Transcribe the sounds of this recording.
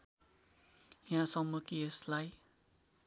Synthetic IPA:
jãsʌmːʌkieslaj

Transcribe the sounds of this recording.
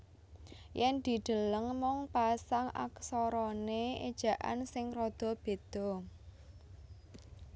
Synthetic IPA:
jɛnd̪̥i̤d̪̥ə̤ləŋmɔŋpasaŋa̰ksɔɾɔneed̥ʒ̥ä̤ʔa̰nsɪŋrɔd̪̥ɔ̤b̥e̤d̪̥ɔ̤

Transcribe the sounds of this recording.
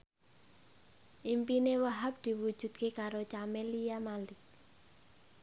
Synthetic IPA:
ʔimpinewəɦap̚d̪̥i̤wu̥ʒ̥ṳt̪̚kekaɾot͡ʃamelijamalɪk

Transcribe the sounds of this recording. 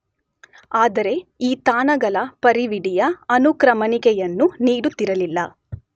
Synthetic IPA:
aːd̪ɐɾe̞iːt̪aːnɐɡɐlɐpɐɾiʋiɽijɐɐnukɾɐmɐnikɛjɐnːuniːɽut̪ːiɾɐlilːɐ

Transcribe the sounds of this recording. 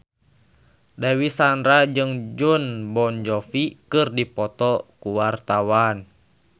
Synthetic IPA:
dawisanɾad͡ʒɨŋd͡ʒunbɔnd͡ʒɔfikɨrdipɔt̪ɔkuwart̪awan

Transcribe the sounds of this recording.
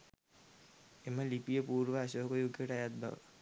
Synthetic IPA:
eməlipijəpuːɾʋəːsoɦkojoɡʱjəʈajat̪̚bʱa̰ʋə̰

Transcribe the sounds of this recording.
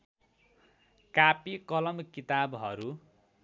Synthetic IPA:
kapikʌlʌmkit̪abɦʌɾu

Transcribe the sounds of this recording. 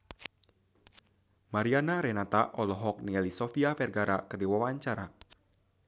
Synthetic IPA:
maɾianaɾɛnat̪aʔɔlɔɦɔk̚niɛlisɔfiafɛrɡaɾakərdiwawaɲt͡ʃaɾa

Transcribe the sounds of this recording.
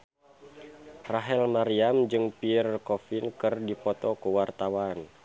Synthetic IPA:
raɦɛlmaɾiamd͡ʒɨŋpirkɔfinkɨrdipɔt̪ɔkəwart̪awan

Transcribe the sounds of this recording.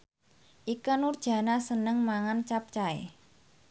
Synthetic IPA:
ʔikanurd̥ʒ̥ä̤nasənəŋmaŋant͡ʃap̚t͡ʃaḛ

